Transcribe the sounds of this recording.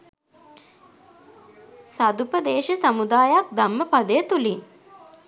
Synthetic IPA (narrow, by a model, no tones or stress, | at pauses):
sad̪upəd̪eːʃəsamud̪aːjak̚d̪amːəpad̪əjət̪uliŋ